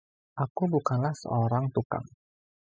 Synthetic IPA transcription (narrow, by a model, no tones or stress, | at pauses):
ʔakubukanlahsə̰oɾaŋt̪uka̰ŋ